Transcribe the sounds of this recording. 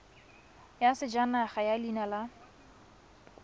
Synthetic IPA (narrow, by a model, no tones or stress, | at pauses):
jasɪd͡ʒanaχajalinala